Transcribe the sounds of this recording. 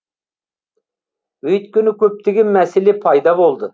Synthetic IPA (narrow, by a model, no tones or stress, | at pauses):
øjt̪kʲynɪkʲʰøp̚t̪ʰɪɡʲɪmɛsɪlɪpʰɑjd̪ɑbolˠd̪ɨ